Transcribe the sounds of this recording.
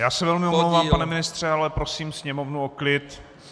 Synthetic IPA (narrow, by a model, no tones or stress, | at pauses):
jaːsɛvɛlmɪomlowvaːmpanɛmɪnɪst̪r̝̥ɛalɛpɾosiːmsɲɛmovnuoklɪt̪